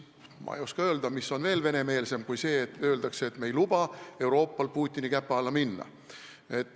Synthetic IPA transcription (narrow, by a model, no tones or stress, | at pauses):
mɑ̰ḛjoskɑø̞ːld̪ɑmisːo̞nve̞ːlve̞ne̞me̞ːlse̞mkujse̞ːt̪øːld̪ɑkseet̪me̞jlub̥ɑe̞wɾo̞ːpːˑɑlpuːt̪ʲːˑinikæpːˑɑlːɑminːɑ̰ | e̞t̪ː